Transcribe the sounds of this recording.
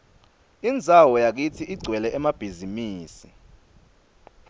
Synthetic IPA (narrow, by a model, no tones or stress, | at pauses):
ind͡zʱawɔjak̬itʰiʔiɡ͡ǀʱwɛlɛʔɛmab̥ʱizimiːsi